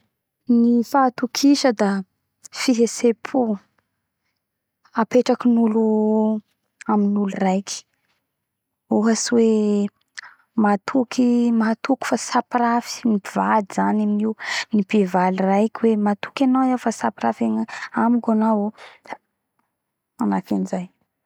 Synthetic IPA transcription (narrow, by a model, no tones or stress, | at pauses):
nifat̪ukʰiʃəd̪a | fiɦesepʰu | apeʈ͡ʂakinulu | aminulurajki̥ | oɦasiwe | mat̪ʰukʰimaɦat̪uku̥fasapiɾafi̥niivad̪izanaminiwnipevalirajkʲiwemat̪u̥kʲanawewfasapɾafenamikanawo | anakinzaj